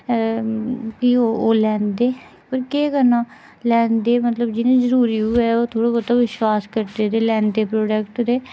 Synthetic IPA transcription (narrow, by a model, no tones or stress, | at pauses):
kioːoːlɛ̃ːnd̪eː | pəɾkeːkənãː | lɛ̃ːnd̪eːmət̪ləbd͡ʒɪnẽːzəɾuːɾiːɦuɛːoːt̪ʰoːɽoːbət̪aʋɪʃwaːskəɾd̪eːd̪eːlɛ̃ːnd̪eːpɾoːɖəkʈd̪eː